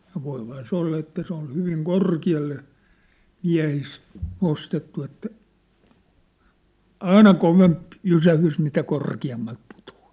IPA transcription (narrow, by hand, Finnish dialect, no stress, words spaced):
jɑ ʋoiphɑː se olːɑ etːæ se on hyʋiŋ korkiɑlːe miæ̝his nostetːu etːæ ɑinɑ koʋemp jysæhys mitæ korkiɑmːɑlt putu̥ɑ̥ː